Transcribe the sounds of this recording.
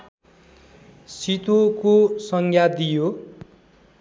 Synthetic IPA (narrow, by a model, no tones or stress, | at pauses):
sit̪okosʌŋɡʱjad̪ijo